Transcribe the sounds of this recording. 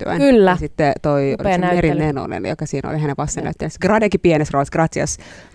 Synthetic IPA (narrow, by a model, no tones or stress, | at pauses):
t̪ːy̰æ̰nkylːæsit̪ːet̪oineɾieno̰nḛnjo̰kɑsiːno̰liɦæneʋɑst̪enːæ̰yt̪ːensɡrɑdɑkipienesroɑsɡ̥rɑt̪iɑ̰s